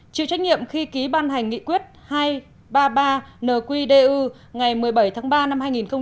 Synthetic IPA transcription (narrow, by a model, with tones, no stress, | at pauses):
t͡ɕḭ˧˨wt͡ɕa˦˥j̚k̚ŋḭ˧˨əmxi˧ki˨˦ɓaː˧nɦa˨˩jŋ̟ːḭ˧˨kwi˦˥ət̚haː˧j | ɓaː˧ɓaː˧nəː˨˩kwi˧ɗe˧ʔɨ˧ | ŋa˨˩jmɨ˨˩əjɓə˧˩jt̪ʰaː˨˦ŋɓaː˧na˧mhaː˧jŋi˨˩nxə˧ŋ͡m